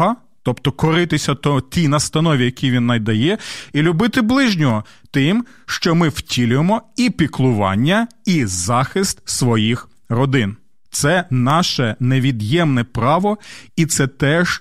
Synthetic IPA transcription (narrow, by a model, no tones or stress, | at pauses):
ɦɐ | t̪ɔpt̪ɔkɔɾɪt̪ɪsʲɐt̪ɔt̪ʲijnɐst̪ɐnɔʋʲijɐkʲijʋʲinːɐjd̪ɐjɛilʲʊbɪt̪ɪblˠɪʒnʲɔɦɔ | t̪ɪm | ʃt͡ʃɔmɪwtʲilʲʊjemɔipʲiklˠʊʋɑ̰nʲːɐizɑxɪst̪̚sʋɔjix | rɔd̪ɪn | t̪sɛnɑʃɛneʋʲid̪jɛmnɛpɾɑʋɔit̪sɛt̪ɛʒ̥